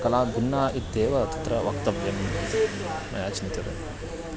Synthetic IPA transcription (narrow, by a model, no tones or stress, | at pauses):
kɐlaːd̪unːaːʔit̪d̪eːʋɐt̪ɐ̥t̪ɾɐʋɐk̚t̪ɐʋjɐm | mɐ̰jaːt͡ʃinit̪ɐɾɐ̰